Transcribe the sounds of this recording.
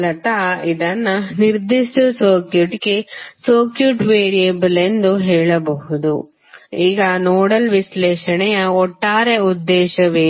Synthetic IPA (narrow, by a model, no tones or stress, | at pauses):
lɐt̪aid̪ɐnːɐniɾd̪iʂʈɐsoːkjuʈkesoːkjuʈʋeːɾijɐbɐle̞nd̪uɦɛːɭɐbɐɦud̪u | iːɡɐnoːɽɐlʋislɛːʃɐɳɛjɐɔʈːaːɾeud̪ːɛːʃɐʋeː